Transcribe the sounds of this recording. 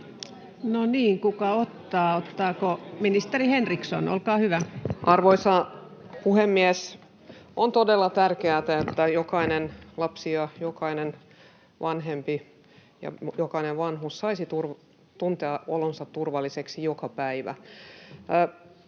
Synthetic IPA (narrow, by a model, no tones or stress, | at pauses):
noniːŋkukɑot̪ːɑːot̪ːɑːkominist̪erihenrikso̰no̰lkɑːhyʋæʔɑrʋoisɑpuhemːies | ont̪odelːɑt̪ærkeæt̪æet̪ːæjokɑinenlɑpsiɑjokɑinen | ʋɑnɦempi | jɑ̰jokɑineʋʋɑnɦussɑisit̪urʋ | t̪unt̪eɑo̰lonsɑt̪turʋɑlːˑiseksijokɑpæiʋæ̰